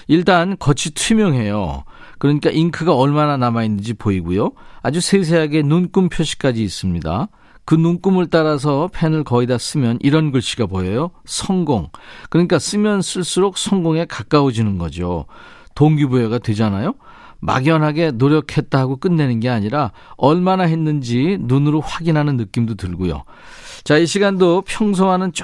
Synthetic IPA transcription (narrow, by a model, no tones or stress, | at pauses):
iɭt͈ankʌt͡ɕʰitʰimjʌŋɦe̞jo̰kɯɾʌɲik͈aʔiŋkʰɯɡaʌɭmananamainːɯnd͡ʑipoiɡujoad͡ʑusʰes̬ʰe̞ɦaɡe̞nunk͈umpʰjoɕʰi̥k͈ad͡ʑiːs͈ɯmɲida̰ | kɯnunk͈umɯɭt͈aɾas̬ʰʌpʰenɯɭkʌidas͈ɯmjʌnʔiɾʌnɡɯɭɕ͈ʰiɡabojʌjosʰʌŋɡoŋkɯɲik͈as͈ɯmjʌnsʰuɭs͈uɾok̚sʰʌŋɡoŋe̞kak͈aod͡ʑinɯnɡʌ̰d͡ʑo̰ | toŋɡibueɡadwe̞d͡ʑanajo | ma̰ɡjʌnɦaɡe̞noɾjʌkʰe̞t̚t͈aɦaɡok͈ɯnːe̞nɯnɡe̞aɲiɾa | ʌɭmanaɦe̞nːɯnd͡ʑinunɯɾoɸwaɡinɦanɯnːɯk͈imdotɯɭɡojo̰ | t͡ɕaiɕʰiɡandopʰjʌŋs̬ʰoɦanɯnt͡ɕ